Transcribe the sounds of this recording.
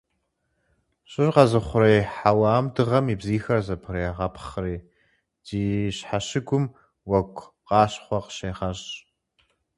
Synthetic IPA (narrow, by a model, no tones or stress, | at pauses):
ɕʼɪɕqɐzɨχʷʊrejħawaːmdɨʁɐmiːbziːxɐrzɐpʰɨɾejaʁɐpʰχreː | d̥iːɕħaɕɪɡʷʊm | wɐkʷʼʰ | qɑːɕχʷɔqə̥ɕeːʁɐɕ